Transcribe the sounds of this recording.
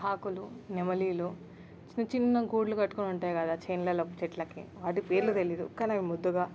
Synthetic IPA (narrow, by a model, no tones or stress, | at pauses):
ɦaːkulunemɐliːlu | t͡ʃinɐt͡ʃinːɐɡuːɽlukɐʈːukonuɳʈaːjɐkɐd̪aːt͡ʃejnlɐːlokːɐt͡ʃɛʈlɐkḭʋaːʈipe̞ːɾlut̪elid̪ṵkaːnɐʋimud̪ːuɡaː